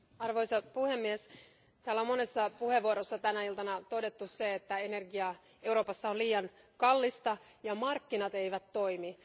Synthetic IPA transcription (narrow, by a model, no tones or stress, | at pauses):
ɑrʋo̞jsɑpuhemːies | t̪æːlæo̞mo̞ne̞sːɑpuhe̞ʋːuoɾosːɑt̪ænæilt̪ɑnɑt̪o̞de̞t̪ːusseet̪ːæe̞ne̞rɡiɑ | e̞uɾo̞ːpɑsːɑoliːjɑŋ | kɑlːist̪ɑ | jɑmɑrkːinɑt̪e̞jʋæt̪ːo̞jmi